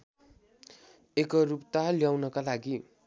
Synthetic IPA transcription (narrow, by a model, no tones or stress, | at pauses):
ekʌrupt̪aljawnʌkalaɡi